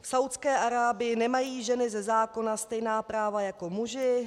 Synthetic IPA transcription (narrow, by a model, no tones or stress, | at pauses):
fsawt̪t͡skɛːʔaɾaːbɪɪnɛmajiːʒɛnɪzɛzaːko̞nast̪ɛjnaːpɾaːvajako̞muʒɪ